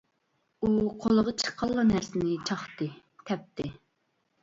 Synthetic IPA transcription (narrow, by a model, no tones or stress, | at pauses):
uqʰolˠəʁɑt͡ʃʰə̥qʰːɑlˠːɑnæɾsɪnɪt͡ʃʰɑχt̪ɨ | t̪ʰɛp̚t̪ɪ